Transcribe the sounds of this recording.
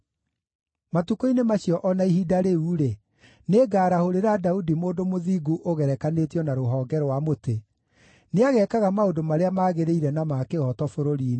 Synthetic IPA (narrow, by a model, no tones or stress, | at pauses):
matukoinemaɕiɔʔɔnaiɦidaɾeuːɾe | neːɡaːɾahoɾeɾadaudimoːdomoðiːɡuʔoɣɛɾɛkanetjɔnaɾoɦɔːɡɛɾwamote | neaɣɛkaɣamaondomaɾeamaɣeɾeiɾɛnamaːkeɣɔtɔfoɾoɾin